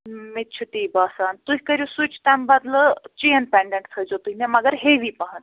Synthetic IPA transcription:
mit̪ːt͡ʃʰut̪iːbaːsaːnt̪uɦikəɾʲusut͡ʃʰt̪ambɐd̪lət͡ʃijənpeɳɖẽɳʈ̚sʰəd͡ʒot̪uɦnemɐɡəɾɦeʋipɐɦət̪

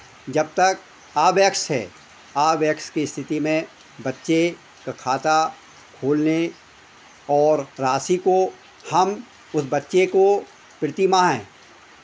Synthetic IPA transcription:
d͡ʒɐb̚t̪ɐk | aːbjəkʃɦɛ̰ː | aːbjəkskiɪst̪ʰɪt̪imẽ | bɐtːʃe | kakʰaːt̪a | kʰoːlne | ɔːɾɾaːsiko | hɐm | ʊsbɐtːʃeko | pɪɽt̪imãːɦɛ̰̃ː

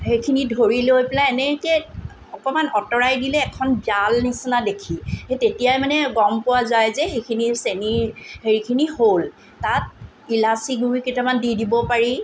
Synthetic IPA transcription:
hejkʰinidʱoɹilojpɛlaɛnɛkɛ | ɔkɔmanɔtɔɹajdilɛːkʰɔnbjalnisinadekʰihetetijajmanɛɡɔmpʊwazajzɛxekʰiniseniɹheɹikʰinihol | tat̚ | ilasiɡuɹikitɔmandidibɔpaɹi

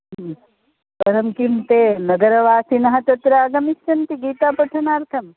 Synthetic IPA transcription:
pɐɾɐmkimt̪eːnɐɡɐɾɐʋaːsinɐɦɐt̪ɐt̪ɾɐːɡɐmisːɐnt̪iɡiːt̪aːpɐʈʰɐnaːɾt̪ʰɐm

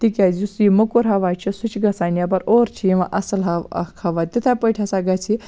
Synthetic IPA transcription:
t̪ikʲad͡ʑusiməkuɾɦaʋat͡ʃisut͡ʃɡɐsanjapɐɾoɾt͡ɕʰiĩʋa̰ʔɐsəlɦaʋ̰kʰaʋat̪it̪ʰapəʈʰasaɡat͡sʰi

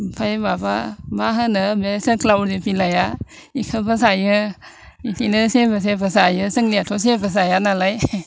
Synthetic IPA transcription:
pʰajbababaɦɯnɯmesəklawɾdepilaja | ikʰɯbəs̬ajɯ | itʰinɯsebas̬ebəs̬ajɯsɯŋlijatʰɔs̬ebəs̬ajanalaj

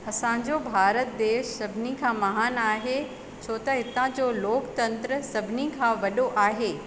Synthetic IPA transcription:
ɐsãːɲ̆d͡ʑobʱaːɾət̪̚d̪eːʃsɐbʱɪnikʰãːmɐɦaːnaːɦe | t͡ɕʰoːt̪ɐɦɪt̪ãd͡ʑoːloːkt̪ɐ̃nt̪ɾəsɐbʱɪnikʰãːʋɐɗoʔaːɦeː

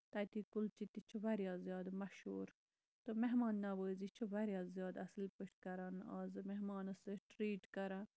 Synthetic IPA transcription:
t̪ɐt̪ikult͡ʃit̪it͡ʃʰuʋɐɾjazjɑːd̪mɐʃṵːɾ | t̪omeɦmaːnːɐʋəːzit͡ʃʰuʋɐɾjaːzijɑːd̪ɐslpəʃkɐɾɐna̰ːzmeɦmɑːnɐsəʈɾiːʈkɐɾa

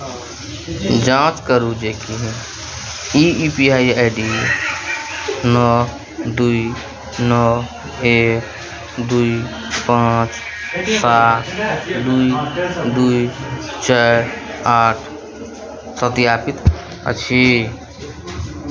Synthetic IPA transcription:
d͡ʒãːt͡ʃkəɾud͡ʒekiɦɛ̃ | iipiaːiaɪɖi | nɔ | d̪ui | nɔ | eːk̚ | d̪ui | pãːt͡ʃ | saːt̪ʰd̪uid̪uit͡ʃɛ | aːʈʰ | sət̪ijaːpɪt̪ | ə̰t͡ʃʰi

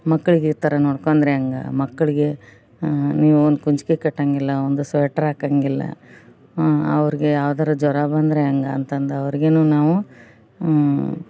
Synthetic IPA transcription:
mɐkːɐɭiɡiɾt̪ɐɾɐnoːɽkond̪ɐɾeɐŋɡɐ̰mɐkːɐɭiɡe̞ | niːʋuond̪ukuɲt͡ʃi̥kekɐʈːaːŋɡilːɐond̪usʋɛʈːɐɾaːkaːŋɡilːɐ̰ | ɐ̰ʋɐɾiɡe̞jaːʋd̪aːɾɐd͡ʒɔɾaːbaːnd̪ɐɾeɐŋɡɐːnt̪ɐnd̪eɐʋɐɾiɡenuːnaːʋu

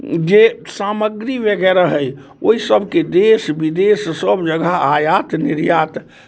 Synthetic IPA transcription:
d͡ʒesaməɡɾiʋəɡɛɾaɦəj | oisəbʱked̪esbid̪essəbd͡ʒəɡaajat̪niɾjat̪

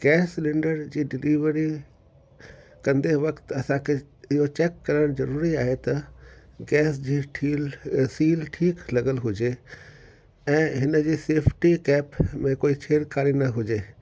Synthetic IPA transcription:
ɡ̥ɛːslɪ̃ɳɖəɾd͡ʑiːɖɪliːʋəɾi | kɐ̃nd̪eʋɐkt̪ɐsãkʰeɪɦot͡ɕeːkːɐɾəɽ̃zɐɾuːɾiaːɦet̪ɐɡɛːsd͡ʑiːʈʰilsiːlʈʰiːklɐɡəlɦʊd͡ʑe | ɛ̃ːɦɪnə̆d͡ʑiːseːpʰʈikɛːpmẽkoːit͡ɕʰeːɾkaːɾinɐɦʊd͡ʑeː

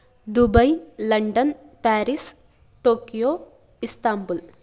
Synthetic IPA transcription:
d̪ubɐjlɐɳɖɐn | paːɾis | ʈoːkijoː | ist̪aːmbul

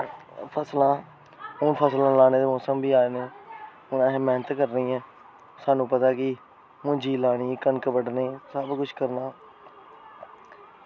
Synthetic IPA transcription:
pʰəslãː | ʊnpʰəslãːlaːneːd̪eːmɔːsəmbiːaːeːneː | ʊnãːɦmɛːnət̪kəɾːəĩːɛː | saːnũːpət̪aːkɪ | mʊ̃d͡ʒiːlaːñiːkənkəbəɖneːsəbkʊt͡ʃʰkəɾnaː

